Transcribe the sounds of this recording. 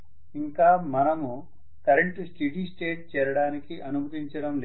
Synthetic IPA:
iŋkaːmɐnɐmu | t̪ɐɾɐɳʈusʈiɖiːsʈeːʈ̚t͡ʃɛːɾɐɽaːnikiʔɐnubʱɐt̪iɲt͡ʃɐɽɐml

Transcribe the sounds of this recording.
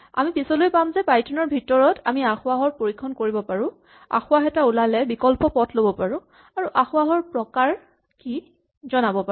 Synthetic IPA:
a̰mipisɔlojpamzɛpajtʰɔnɔɹbʱitɔɹɔtʰamiaxʊaɦɔɹpoɹikʰːɔnkoɹibɔpaɹʊ̃ | a̰xʊaxɛtaulalɛbikɔlpɔpɔtʰlobɔpaɹʊ̃ | aɹuʔaxʊaɦɔɹpɹɔkaɹ | ki | zɔnabɔpa

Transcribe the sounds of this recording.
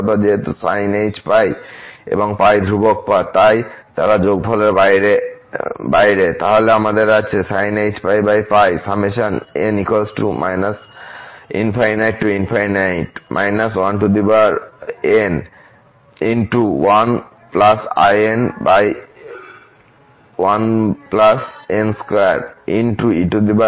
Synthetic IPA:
bad͡ʑeɦet̪usajned͡ʑpajḛboŋpajd̪ʱɾubok̚pat̪ajt̪a̰ɾad͡ʑoɡ̚pʰɔlaɾbajɾe | bajɾet̪aɦoleamad̪eɾat͡ɕʰesajnejd͡ʑpajbajpajsameʃanenikosʈumʔa̰jnas | ḭnfʰajnajʈːuinfʰajnajʈmʔa̰jnas̬wanʈud̪ibaɾen | inʈuwan | plasa̰jenbaj | wanplasenskoḛɾinʈuiʈud̪iba

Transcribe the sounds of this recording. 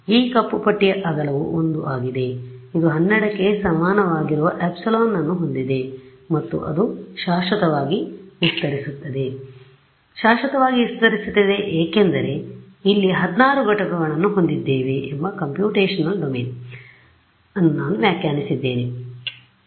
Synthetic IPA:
iːkɐpːupɐʈːijɐʔɐɡɐlɐʋuʔond̪ṵʔaːɡid̪e̞id̪uɦɐnːɛɽɐkːe̞sɐmaːnɐʋaːɡiɾuʋɐʔepsɐloːnːɐnːuɦo̞nd̪id̪e̞ | mɐt̪ːṵʔɐ̰d̪uʃaːʃɐt̪ɐʋaːɡiʋist̪ɐɾisut̪ːɐd̪e̞ | ʃaːʃɐt̪ɐʋaːɡiʋist̪ɐɾisut̪ːɐd̪eʔeːkend̪ɐɾe̞ | ilːiɦɐd̪naːɾuɡɐʈɐkɐɡɐɭɐnːuɦo̞nd̪id̪ːeːʋeʔembɐkɐmpjuːʈeːʃɐnːɐlɖomeːn | ɐnːunaːnuʋjaːkjaːnisid̪ːe̞ːne

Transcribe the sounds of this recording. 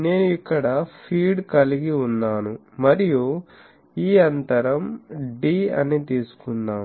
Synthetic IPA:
ne̞ːnuikːɐɽɐpʰiːɖkɐliɡiunːaːnu | mɐɾiju | iːɐnt̪ɐɾɐmɖiːɐ̰nit̪iːsu̥kunːaː

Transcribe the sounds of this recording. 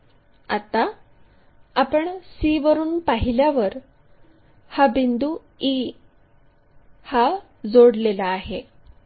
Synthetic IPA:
a̰t̪aː | pəɳsiːʋəɾuːnpaɦiljaʋəɾ | habind̪u | i | ha | d͡zoɽlelaːɦe

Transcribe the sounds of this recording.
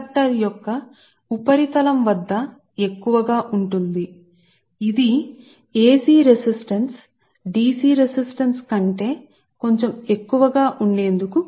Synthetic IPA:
k̚ʈɐɾjɔkːɐ | upɐɾit̪ɐlɐmʋɐd̪ːɐ | e̞kːuʋɐɡaːʔuɳʈund̪i | id̪i | eːsiːɾesisʈɐns | ɖiːsiːɾesisʈɐnskɐɳʈe̞ː | ko̞ɲt͡ʃeme̞kːuʋɐɡaːʔuɳɖe̞ːnd̪uku

